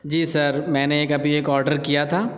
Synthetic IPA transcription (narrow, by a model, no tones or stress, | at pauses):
d͡ʒiːsɐɾmɛ̃ːneeːkɐbieːkɔːɾɖəɾkijat̪ʰaː